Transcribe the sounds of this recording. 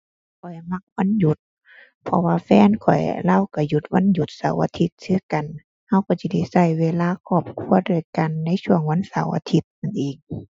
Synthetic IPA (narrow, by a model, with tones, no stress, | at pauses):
kʰɔ˨˩jma˧˩k̚wa˧˥˨nju˧˦t̪̚ | pʰɔ˧waː˧fɛː˧˥˨nkʰɔ˨˩jlaː˧˥˨wka˧˩ju˧˦t̪̚wa˧˥˨nju˧˦t̪̚sa˨˦wʔa̰ː˧t̪ʰi˧˦t̪̚sɯː˧˨ka˨n | ha˧˨wkɔː˧˩si˧˩da˧˩jsa˧˩jweː˧laː˧˨kʰɔː˧˩p̚kʰu˧˥˨ədu˧˩˨jka˨nːa˧˥˨jsu˧˩əŋwa˧˥˨nsa˨˦wʔa̰˧t̪ʰi˧˦t̪̚na˨nʔiː˨˩ŋ